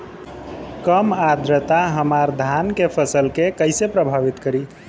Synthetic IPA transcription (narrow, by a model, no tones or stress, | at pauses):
kəmad̪ɾət̪aɦəmaɾd̪ʱankepʰəsəlkekəɪsepɾəbʱaβit̪kəɾi